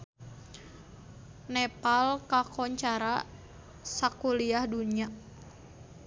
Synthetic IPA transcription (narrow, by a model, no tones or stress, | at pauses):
nɛpalkakɔɲt͡ʃaɾa | sakuliahduɲa